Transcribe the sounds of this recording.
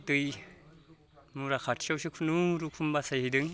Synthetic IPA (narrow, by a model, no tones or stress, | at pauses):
tɯj | muɾakʰatsawsikʰunuɾukʰumbasajhijdɯŋ